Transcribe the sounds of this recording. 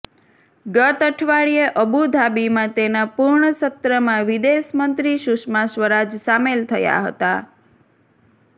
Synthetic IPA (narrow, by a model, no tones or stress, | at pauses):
ɡət̪əʈʰʋaɭijeʔəbud̪ʱabimãt̪enapuɾɳəsət̪ɾəmãʋid̪esmənt̪ɾiʃʊʃmasʋəɾad͡ʒsamelt̪ʰəja̰ɦə̰t̪a